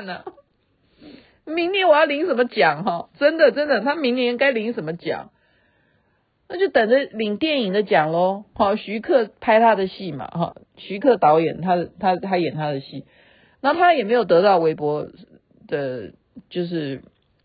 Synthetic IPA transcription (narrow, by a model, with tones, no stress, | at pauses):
nə˩ | mi˧˥ŋnjɛ˧˥nwɔ˨˩jɑ˥˩ʊli˧˥ŋʂə˨˩nmə˦t͡ɕjɑ˨˩ŋɦɔ˥˧˩ʈ͡ʂə˦nd̪ə˨ʈ͡ʂə˦nd̪ə˨t̪ʰa˥mi˧˥ŋnjɛ˧˥ka˥ɪli˧˥ŋʂə˨˩nmə˦t͡ɕjɑ̰˨˩˦ŋ | na˥˧t͡ɕjo˥˩ʊt̪ə˨˩ŋdə˦li˨˩ŋt̪jɛ˥˩ni˨˩ŋd̪ə˦t͡ɕjɑ˨˩ŋlo˦hɔ˥˨˩ɕy˧˥kʰɤ˥˩pʰa˥ɪt̪ʰa˥d̪ə˨ɕi˥˩ma̰˨˩xɔ̰˥˩ | ɕy˧˥kʰɤ˥˩t̪ɑ˧˥ʊjɛ̰˨˩nt̪ʰa˥d̪ə˨t̪ʰa˦˥t̪ʰa˥jɛ˨˩nt̪ʰa˥d̪ə˨ɕḭ˥˩ | na˨˦˥t̪ʰa˥jɛ˨˩me˧˥ɪjo˨˩ʊt̪ɤ˧˥t̪ɑ˥˩ʊwe˧˥ɪpwɔ˧˥ | d̪̥ə˨ | t͡ɕjo˥˧ʊʂ̬ɻ̩˥˩